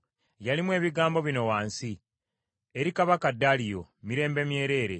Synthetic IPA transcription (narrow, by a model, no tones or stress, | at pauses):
jalimwe̞ːβiɡaːmbo̞βino̞waːnsi | eɾikaβakadːalijo̞̰miɾe̞ːmbe̞mje̞ːɾe̞ːɾe̞